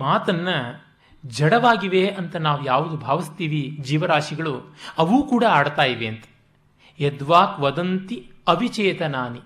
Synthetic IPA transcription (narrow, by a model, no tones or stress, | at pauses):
maːt̪ɐnːɐ | d͡ʒɐɽɐʋaːɡiʋeʔɐnt̪ɐnaːʋujaːʋud̪ubʱaːʋist̪iːʋid͡ʒiːʋɐɾaːʂiɡɐɭuɐʋuːkuːɽɐaːɽt̪aːjiʋeɐnt̪ɐ̥ | ɛd̪ʋaːkʋɐd̪ɐnt̪iɐʋʱit͡ʃɛːt̪ɐnaːni